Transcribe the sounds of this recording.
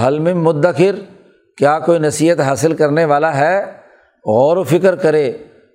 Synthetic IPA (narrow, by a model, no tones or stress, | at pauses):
ɦɐlmɪmːʊd̪ːəkɪɾ | kjaːkoːinɐsiːɦət̪ɦaːsɪlkɐɾneʋaːlaɦɛ | ɣɔːɾofɪkəɾkɐɾeː